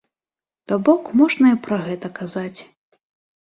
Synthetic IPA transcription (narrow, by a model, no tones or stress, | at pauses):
t̪ɔbɔkmɔʐnɐjɐpɾɐɣɛt̪ɐkazat͡sʲ